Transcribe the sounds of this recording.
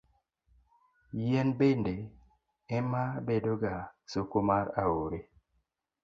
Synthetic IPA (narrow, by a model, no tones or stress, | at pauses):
jɛnbende | ɛmabedoɡasokomaɾawoɾe